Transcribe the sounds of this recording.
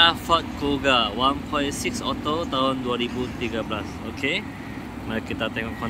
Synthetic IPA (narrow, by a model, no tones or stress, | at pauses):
afat̪̚koɡawãnpʰɔjsiksɔt̪ot̪aɦʊ̃nduaɾibut̪iɡablasokʰe | makit̪at̪ɛŋɔʔkʰɔ̃